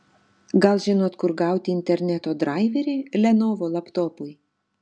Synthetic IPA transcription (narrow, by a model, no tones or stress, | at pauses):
ɡɐlˠʒʲɪnoːt̪kʊɾɡɑˑʊt̪ʲɪɪnʲt̪ʲɛɾʲnʲæt̪oːd̪ɾɑˑɪʋʲɛɾʲɪlʲɛnoːʋoːlˠɐpt̪oːpʊj